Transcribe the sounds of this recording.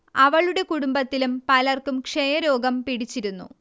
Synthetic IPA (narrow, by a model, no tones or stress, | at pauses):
ɐʋɐɭuɽe̞kuɽumbɐt̪ːilumpɐlɐrkumkʂejɐɾo̞ːɡɐmpiɽit͡ɕːiɾunːṵ